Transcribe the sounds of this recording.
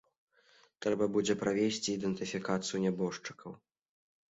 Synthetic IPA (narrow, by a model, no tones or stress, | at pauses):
t̪ɾɛbɐbud͡zʲɛpɾavʲesʲt͡sʲiːd̪ɛnt̪ɨfʲikat̪sɨjunʲɛbɔʂt͡ʂɨ̥kʰɐw